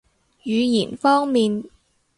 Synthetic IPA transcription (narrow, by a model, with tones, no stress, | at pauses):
jyː˨˧jiː˨˩nfɔː˥ŋmiː˨n